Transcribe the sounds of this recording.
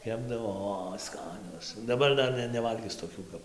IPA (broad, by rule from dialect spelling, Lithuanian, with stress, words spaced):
ˈkʲæːbdɐʋoː oː ˈskɑːnʲoːs dɐˈbɐr ˈdɐr nʲɛ nʲɛˈʋɐlʲɡʲɪs toːˈkʲuː kɐp